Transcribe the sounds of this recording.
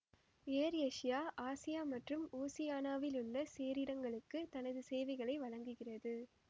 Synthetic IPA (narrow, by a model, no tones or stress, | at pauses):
eːɾɐʂɪjaːʔaːsɪjaːmɐʈrɯmoːsɪjaːnaːʋɪlɯɭːɐseːɾɪɽɐŋɡɐɭɯkːɯt̪ɐnɐðɯsɛːʋɐɪɣɐɭɐɪʋɐɻɐŋɡɯɣɪrɐðɯ